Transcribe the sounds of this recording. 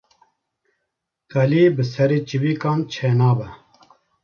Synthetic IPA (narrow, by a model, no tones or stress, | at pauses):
kɐliːbɨsɐɾit͡ɕiwiːkaːnt͡ɕʰeːnaːbɐ